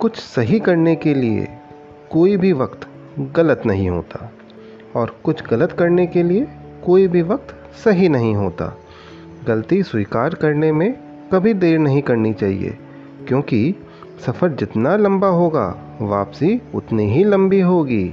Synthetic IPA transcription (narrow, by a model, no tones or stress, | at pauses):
kʊt͡ʃʰsɐɦikɐɾnekeliḛ | koːibʱiʋɐqt̪ | ɣɐlət̪nɐɦĩɦo̰ːt̪aː | ɔːɾkʊt͡ʃʰɡɐlət̪kɐɾnekelie | koːibʱiʋɐq̚t̪ | sɐɦinɐɦĩɦoːt̪a̰ː | ɡɐlt̪iswiːkaːɾkɐɾnemẽ | kɐbʱid̪eːɾnɐɦĩkɐɾnit͡ʃaːɦḭḛ | kjõːki | sɐfəɾd͡ʒɪt̪nalɐ̃mbaɦoːɡa̰ː | ʋa̰ːpsiʊt̪niɦilɐ̃mbiɦoːɡiː